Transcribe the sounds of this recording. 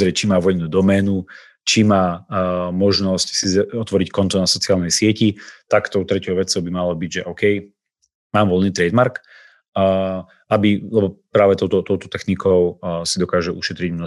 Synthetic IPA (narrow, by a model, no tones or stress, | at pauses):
ɾɛt͡ʃimaːʋɔjnud̪ɔmɛːnu | t͡ʃimaːmɔʒnɔscsizɔt̪ʋɔɾickɔnt̪ɔnasɔt͡siaːlˠnɛjsɪɛcit̪akt̪ɔʊt̪ɾɛcɔʊʋɛt͡sɔʊbimalɔbiɟʒɛʔɔʊkɛj | maːmʋɔlniːt̪ɾɛd̪maɾkː | abilɛbɔpɾaːʋɛt̪ɔʊt̪ɔt̪ɔʊt̪ɔ̥t̪ɛxnikʰɔʊsid̪ɔkaːʒɛʔuʃɛt̪ɾiɟmnɔ